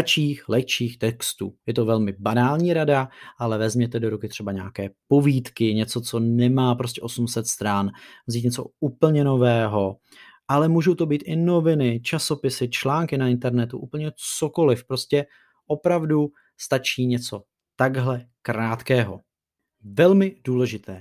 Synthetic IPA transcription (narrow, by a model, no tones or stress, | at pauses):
t͡ʃiːxlɛkt͡ʃiːxt̪ɛkst̪ṵːjɛt̪o̞vɛlmɪbanaːlɲiːɾadaʔalɛvɛzmɲɛt̪ɛdo̞ɾukɪt̪r̝̥ɛbaɲa̰ːkɛːpo̞viːt̪kɪɲɛt͡so̞t͡so̞nɛmaːpɾo̞scɛʔo̞sumsɛt̪st̪ɾanvziːt̪ɲɛt͡so̞̰uːpl̩ɲɛno̞vɛːɦo̞ | ʔalɛmuːʒowt̪o̞biːt̪ʔɪno̞vɪnɪt͡ʃaso̞pɪsɪt͡ʃlaːŋkɪnaɪnt̪ɛɾnɛt̪ṵʔuːpl̩ɲɛt͡soko̞lɪfpɾo̞scɛ | ʔo̞pɾavdu | st̪at͡ʃiːɲɛt͡so̞ | t̪aɡɦlɛ | kɾaːt̪kɛːɦo̞̰ | vɛlmɪduːlɛʒɪt̪ɛː